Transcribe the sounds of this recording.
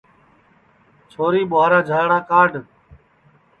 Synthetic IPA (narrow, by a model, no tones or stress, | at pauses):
t͡ʃʰoːɾiːɓʊaːɾaːd͡ʒʱaːɽaːkaːɖʱ